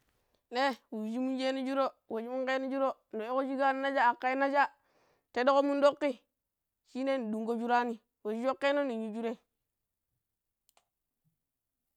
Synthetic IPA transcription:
ne˦wu˨d͡ʒi˦mu˦nd͡ʒe˦ni˦d͡ʒu˦ɾo˦we˨d͡ʒi˦mu˦ŋke˦ni˦d͡ʒu˦ɾo˦no˨o˦ko˦d͡ʒi˦ɡa˦ni˦na˦d͡ʒa˦a˨kːa˦i˦na˦d͡ʒa˦ | te˦do˦ko˦mu˦ndo˦kːi˦ | ʃi˦ne˦ni˨du˨ŋɡo˦d͡ʒu˦ɾa˦ni˦ | we˨d͡ʒi˦d͡ʒo˦kːe˦no˦ni˨ɲu˦d͡ʒu˦ɾe˦

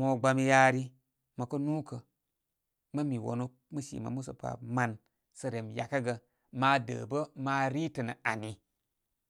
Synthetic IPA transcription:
mo˨ɡ͡ba˧mi˦ja˦ɾi˦ | mə˨kə˦nu˦kə˨ | mə˦mi˨wo̰˨nu˦k̚mə˦sḭ˨ma̰˨mu˦sə̰˨pa̰˨ma˨n | sə˨ɾe˨m˨ja˨ka˦ɡə˨ | ma˨˦də̰˨bə˦ma˨˦ɾi˦tə˨nə˨a˨ni˨

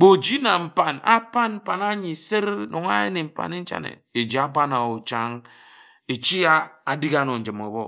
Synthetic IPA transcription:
k͡po˨d͡ʒi˦na˨m̩˨pa˨nʔa̰˦pa˦nm̩˦pa˨na˦ɲi˨se˦ɾno˨ŋa˦e˦ni˨m̩˨pa̰˨ne˦n̩˦t͡ʃa̰˦nḛ˨e˨d͡ʒi˨˦a˦pa˦na˨o˨t͡ʃa˦ŋ | e˨t͡ʃi˦a˦a˨di˦ɡa˦no˨n̩˨d͡ʒɨ˨mo˨bɔ˦

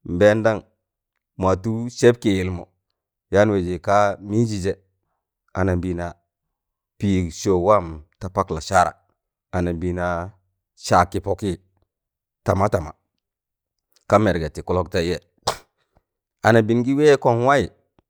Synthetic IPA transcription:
m̩˨be˦nda˦ŋ | ma˨tu˦se˦p̚ki˨ji˨lmo̰˨ | ja˦n˦we˨d͡ʒi˨ka˦mi˦d͡ʒi˨d͡ʒe˨ | a˨na˨bi˨na˨ | pi˦˨ʃo˨wa˦mta˨pa˦kla˨ʃa˦ɾa̰˨ | a˨na˨bi˨na˨ | ʃa˨kːi˦po˦ki˦ | ta˨ma˦ta˨ma̰˨ | ka˦me˨ɾɡe˨ti˨ku˦lo˦k̚ta˦je˨ | a˨na˨bi˨nɡi˦we˦ko˦nwa˦i˨

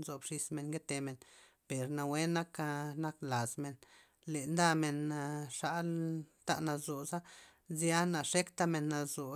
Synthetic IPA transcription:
nzo˨bʂi˧sme˨nɡe˦t̪e˧me˨n | pe˨ɾna˧we˦na˦ka˧na˦kla˨zme˨n | le˨nd̪a˦˧me˨na˧ʂa˦lt̪a̰˧ʔna˧zo˨za˦ | zja˦na˨ʂe˦kt̪a˧me˨nːa˧zo˨

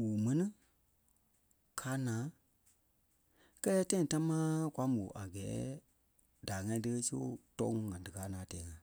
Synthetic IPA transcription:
wu˨mɛ̃˨˦nĩ˦ | kʰaː˨˦nãː˨˦ | kɛ˦lɛː˦tã˦ĩ˧˨ta˦mãː˦kwa˨˦mo˨ʔa˨ɡɛː˨˦ | da˨ŋã˧ĩ˧tə˧kə˦so̰˦tɔ̰˦ŋ˦ŋã˨dɨ˨kaː˨˦nãː˨˦tɛː˨˦ŋã˨

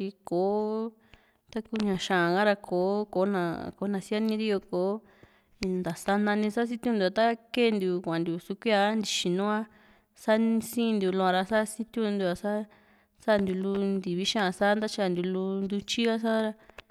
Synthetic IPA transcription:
i˧ko˨ | t̪a˦ku˧ɲã˨ʃã˨ɡã˦ɾa˧kʰo˨˦ko˨˦nã̰˧ko˨˦nã˨si˦a˦nĩ˧˦ɾi˦jo˧ko˨˦˧ | nd̪a˨sa˦nã˧nĩ˧sa˦s̬i˦t̪ʲu˦˧nd̪u˧a˧t̪a˦ke˦˨˧nd̪u˨kʷã˨nd̪u˨su˧kʷi˦a˧˦nd̪i˧˨ʃi˨nũ˦a˦ | sa˦nĩ˧sĩː˦˧nd̪u˨˧lũ˧ã˧ɾa˧sa˦si˦t̪ju˧nd̪u˧a˨sa˦ | sa˦˧nd̪u˧lu˧nd̪i˨βi˦ʃã˦ã˨sa˦nd̪a˦t͡ʃi˧a˧˨nd̪ʲu˧lu˧nd̪u˧t͡ʃi˦a˦s̬a˦ɾa˧

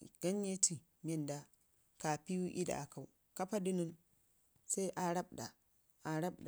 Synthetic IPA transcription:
ɡ̥ɐ˦nje˦tʰi˨ | mɛ˦nda˦ | ka˨pi˦ju˦ʔḭ˦da̰˨ʔa˨ka˨w | ka˦pa˦di˦nu˦n | sa˦ʔa˨ɽa˦bda˨ | ʔa˨ɾɐ˦b̚da˨

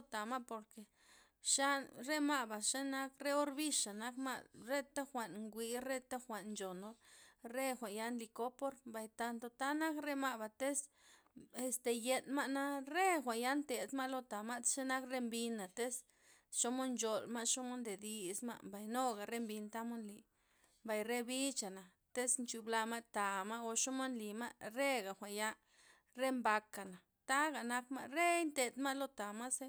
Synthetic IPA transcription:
t̪a˨ma˦po˨ɾke˨ | ʃa˦ɾe˦ma˦ʔba˨ʃe˦na˦kɾe˦o˦ɾbi˦ʂa˨na˦kma̰˦ʔɾe˦t̪a˦xʷa˨nŋɡʷi˧ɾe˦t̪a˦xʷa˨nnd͡ʒo˨no˧ɾe˦xʷa˨ʔja˧˦nli˧ko˦po˦ɾba˨jt̪a˧nt̪o˧t̪a˦na˦kɾe˦ma˧ba˨t̪e˦s | e˧st̪e˨je˧nma˦ʔna˦ɾe˦xʷa˨ja˦nt̪e˨d̪ma˦lo˧t̪a˨ma˦ʃe˦na˦kɾe˧mbi˧na˨t̪e˦s | ʃo˦mo˦nt͡ʃo˨lma˦ʃo˦mo˦nd̪e˨d̪i˧sma̰˧ʔmba˨jno˦ɡa˨ɾe˦mbi˧nt̪a˦mo˦nli˨ | mba˨jɾe˦bi˦t͡ʃa˨na˨ | t̪e˦snt͡ʃu˨bla˧ma˦t̪a˨ma˦ʔo˧ʃo˦mo˦nli˨ma̰˦ɾe˦ɡa˨xʷa˨ja˦ | ɾe˦mba˧ka˨na˨ | t̪a˦ɡa˨na˦kma̰˦ʔɾe˦jnt̪e˨d̪ma˦lo˧t̪a˨ma˦se˦

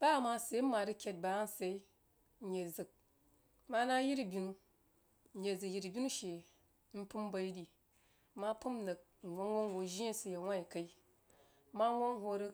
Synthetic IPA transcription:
ba˦˨ma˧se˨˦m̩˦mːa˨ɾɨ˦kʲe˨t̚ba˨˦n̩˨se˨i˦ | n̩˨je˨zɨ˨k̚ | ma˦na˦ji˦ɾi˨bʲi˨nu˧ | n̩˨je˨zɨ˨kji˨ɾi˨bʲi˦nu˦ʃe˨˦ | n̩˦pu˦mba˧i˦di˨˦ | ma˦pu˦m˦nɨ˨k̩̚˨wʷo˦o˦ŋ˨ho˨ʒi˦e˦sɨ˨je˨wʷa˦i˨ka˨i˦ | ma˦ŋʷo˦ŋ˦hʷo˧ɾɨ˧

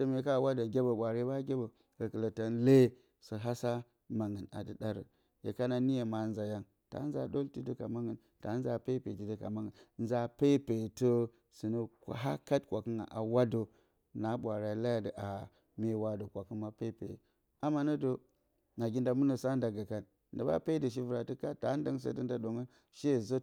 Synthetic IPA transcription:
də˨me˨˦ka˦˨wa˦do˨ɡʲe˦bo˨ɓʷa˨ɾe˦ba˦ɡʲe˦bo˨ | ɡə˨kə˨lə˨ta˦nle˦ | sə˨ɦa˦sa˦ | ma˨ŋə˨na̰˨də˨da˦ɾə̰˨ | jḛ˨ka˦na˨ni˦je˨ma˨˦nza˨ja˦n | ta̰˨˦nza̰˨do˦lti˦də˦ka̰˨ma˦ŋə˨ | ta˨˦nza˨pe˦pḛ˨ti˨də˦ka̰˨ma˦ŋə˨n˦za˦pe˦pe˨to˦ | sɨ˨nə˦˨ɦa˦ka˦tkʷa˨kə˦ŋa̰˨ʔa˨wa˦do˨ | na˨˦ɓʷa˨ɾa˨la˦ja˨də˨ʔa˨ | me˦wa˦do˨kʷa˨kɨ˦ma˦pe˦pḛ˨j̰ | a˦ma˦nə˦do˨ | na˨ɡi˦nda˨mu˦nə˨sa˦nda˨ɡa˨ka˨n | də˨ba̰˦pe˦də˨ʃ̬i˦vu˨ɾa˨ti˦ka˦ta˨˦n˦də˦ŋs̬ə̰˦də˦nda˦ɗo˨ŋə˦n | ʃe˦˨zo˦

